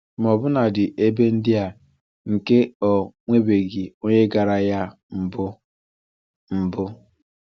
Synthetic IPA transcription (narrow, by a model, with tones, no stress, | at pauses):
m˨ɔ˨bʊ˦na˨dɪ˨ʔe˦be˦n̩˦dɪ˦a˨ | ŋ̩˨ke˦ɔ˨ŋʷe˦be˨ɡɪ˨o˦ɲe˦ɡa˨ɾa˨ja˦ | m̩˨bʊ˦ | m̩˨bʊ˦